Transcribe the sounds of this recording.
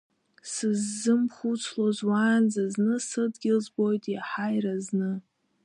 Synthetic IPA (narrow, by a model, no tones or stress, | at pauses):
sɨzːɨmχut͡sʰlozwaːnd͡zaznɨsɨdɡʲɪlzbo̞jtʼaħajraznɨ